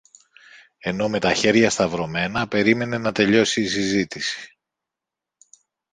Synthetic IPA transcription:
e̞no̞me̞t̪ɐçe̞ɾʝɐst̪ɐvɾo̞me̞nɐpe̞ɾime̞ne̞nɐt̪e̞ʎo̞siːs̬izit̪isi̥

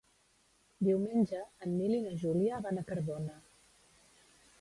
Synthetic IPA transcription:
d̪iwmenʲd͡ʒəːnːilinəʒuliaβanəkəɾβonə

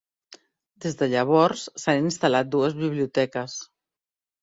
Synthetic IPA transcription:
d̪ezðəʎəβ̞ɔɾsːaninst̪alat̪̚d̪uəzβiβliut̪ɛkəs

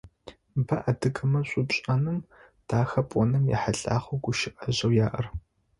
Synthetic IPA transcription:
bɐʔɐdɨkʼɐmɐɕʷʼʊɕʼɐnɨm | d̥ʰaːxɐpʼɔnɨmjɛ̰ħaɬʼaːχʷoɡʷʊʃɪʔɐʑɐwjaːʔɐr

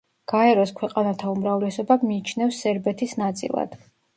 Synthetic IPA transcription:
ɡ̥aɛɾɔskʰwɛqʼanat̪ʰaumɾavlɛsɔbamiːt͡ʃʰnɛfsːɛɾbɛt̪ʰisnat̪sʼḭlˠa̰d̪̥

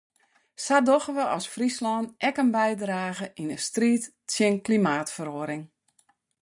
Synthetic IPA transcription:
sadoxəʋəʔɔsfrislɔnʔɛkənbɛjdraːɣəʔinəstriːt | sjɪnklimaːtfəroəɾɪŋ

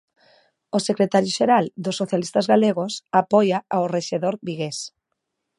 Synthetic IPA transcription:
osekɾet̪aɾjoʃeɾald̪osːoθjalist̪azɣaleɣosapɔjaaoreʃeðoɾβiɣes

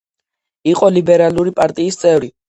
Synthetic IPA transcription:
iqʼɔlibɛɾaluɾipʼaɾt̪ʼiːst̪sʼɛvɾi

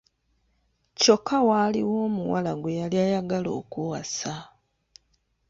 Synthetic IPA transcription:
co̞kːawaliwo̞ːmuwa̰laɡwejaljajaɡalo̞̰ːkuwasa

